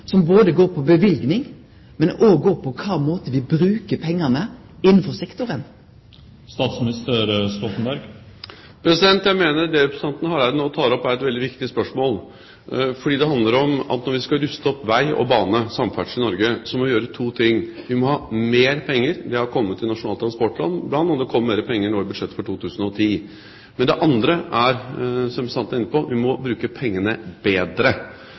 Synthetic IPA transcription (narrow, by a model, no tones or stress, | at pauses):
sɔmboːd̪əɡoːpʰɔbəʋɪlɡnɪŋ | mɛnoɡoːpʰɔkʰɑːmoːt̪əʋɪbɾʉːkəpʰɛŋːɑnə | ɪnːn̩fɔsɛkt̪ʊɾən | st̪ɑːt̪smɪnɪst̪əɾst̪ɔt̪nbæɾɡ | pʰɾɛsɪd̪ɛnt̪jæɪmeːnəɾd̪ɛɪpsɑnt̪nəhɑːɾæɾnoːt̪ʰɑːɾɔpːæɾɛt̪ʋɛld̪ɪʋɪkt̪ɪspœʂmoːl | fɔɖiːd̪ɛhɑnd̪ləɾɔmɑ̰t̪nɔɾʋɪskɑɾʉst̪əɔpːʋæɪɔ̰bɑːnəsɑmfæʈʂɪnɔɾɡəsɔmɔjøːɾət̪ʰuːt̪ʰɪŋːʋɪmɔhɑːmeːɾpʰɛŋːəɾd̪ɛɑɾkʰɔmːət̪ːɪnɑʂʊnɑːlt̪ʰɾɑnspɔʈlɑ̰nːblɑnɑnd̪əkʰɔmːmeːɾəpʰɛŋːəɳoːɪbʉd̪ʂɛt̪ːə̥fɔʈʰuːt̪ʉːsn̩ɔt̪ʰiː | mɛnd̪ɛʔɑnd̪ɾəæɾsɔmsɑnt̪æɾɪnːəpɔʋɪmɔbɾʉːkəpʰɛŋːənəbeːd̪ɾə